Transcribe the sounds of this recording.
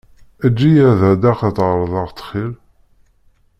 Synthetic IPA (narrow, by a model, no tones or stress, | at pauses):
æd͡ʒːijæðæd̪æqɑt̪ʁɾˤðˤɑʁt̪ːχil